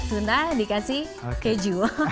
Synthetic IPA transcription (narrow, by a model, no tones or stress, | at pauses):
t̪unt̪adikasi | ked͡ʒu